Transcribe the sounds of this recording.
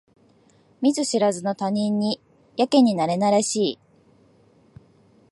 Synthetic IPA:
mʲizɨɕiɾazɨno̞t̪aɲ̟ĩɲ̟ːi | jake̞ɲ̟inaɾe̞naɾaɕiː

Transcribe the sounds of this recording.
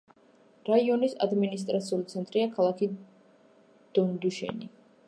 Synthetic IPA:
ɾaiɔnisa̰d̪minis̬t̪ʼɾat̪sʰiulit̪sʰɛnt̪ʼɾiakʰalˠakʰi | d̪̥ɔnd̪uʃɛ̰ni

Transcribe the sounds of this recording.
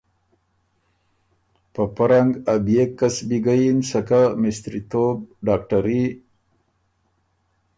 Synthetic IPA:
pəpaɾaŋɡabjekːasbiɡajinsakamɪst̪ɾit̪ob̚ɖɑːk̚ʈaɾi

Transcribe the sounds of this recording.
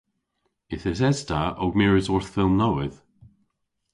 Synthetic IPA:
ɪθɪzɛztʰaʔoɡmɛɹɪzɔɹθfɪlˠmnoɪð̥

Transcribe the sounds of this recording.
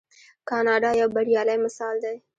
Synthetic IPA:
kɑnɑɖɑjawbaɽjɑlajmɪsɑld̪aj

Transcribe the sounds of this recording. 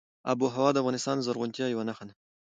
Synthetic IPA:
a̰buɦawɑd̪əavɣʁɑnɪst̪ɑnzaɾɣʊnt̪jajawanaxan

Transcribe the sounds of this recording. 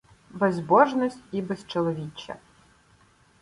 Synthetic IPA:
bɛzbɔʒnɔsʲtʲibɛst͡ʃɔlˠɔʋʲit͡ʃʲːɐ̰

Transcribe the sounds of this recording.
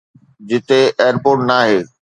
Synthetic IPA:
d͡ʑɪt̪eeːəɾpoːɾʈnaːɦeː

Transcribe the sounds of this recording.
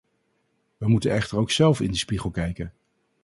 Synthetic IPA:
ʋəmutənɛχtəɹowksɛlˠfɪ̰ndispiχəlˠkɛjkən

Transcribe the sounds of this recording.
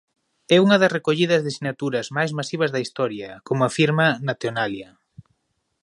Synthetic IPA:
ɛuŋɐðɐsrekoʎiðɐzðesinat̪uɾɐzmajzmasiβ̞ɐzðɐist̪ɔɾjɐkomʊafiɾmɐnat̪eonalja

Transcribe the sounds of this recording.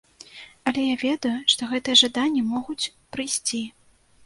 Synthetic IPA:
ɐlʲɛjavʲɛd̪ɐjuʂt̪ɔɣɛt̪ɨjɛʐad̪anʲːɐmɔɣut͡sʲ | pɾɨjsʲt͡sʲi

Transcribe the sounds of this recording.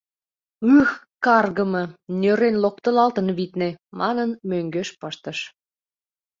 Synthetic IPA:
ɯx | kɑrɣəmɤ̆nʲøɾenlok̚t̪əlɑlt̪ənβit̪nemɑnənmøŋɡøʃpəʃt̪əʃ

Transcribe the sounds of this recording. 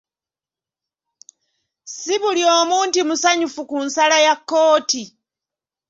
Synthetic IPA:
siβuljo̞ːmuːntimusaɲufukunsalajakːo̞ːti

